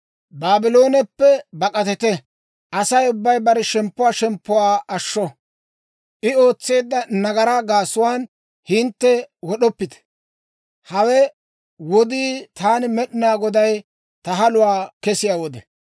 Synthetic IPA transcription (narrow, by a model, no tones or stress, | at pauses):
baːbɪlo̞ːnɛpːɛbɐkʼɐt̪ɛt̪ɛ | ʔɐsɐjʊbːɐjbɐɾɛʃɛmpːʊwaːʃɛmpːʊwaːʔɐʃːɔ | ʔɪo̞ːt͡sːe̞ːd̪ːɐnɐɡɐɾaɡaːsʊwaːn | hɪnt̪ːɛwɔɗɔpːɪt̪ɛ̥ | hɐwɛ | wɔd̪iːt̪aːnɪmɛɗɪnaːɡɔd̪ɐj | t̪ɐɦɐlʊwaːkɛsɪjaːwɔd̪ɛ